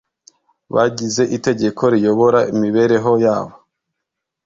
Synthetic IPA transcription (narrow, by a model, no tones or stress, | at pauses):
βaɟize̞ʔite̞ɟe̞kʰo̞ɾijo̞βo̞ɾaimiβe̞ɾe̞ɦo̞jaːβo